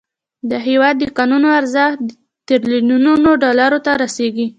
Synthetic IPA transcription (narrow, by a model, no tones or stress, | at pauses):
d̪əɦewɑd̪ːəkɑnunoaɾzaxd̪ | t̪eɾlinununoɖɑlaɾot̪aɾaseɡi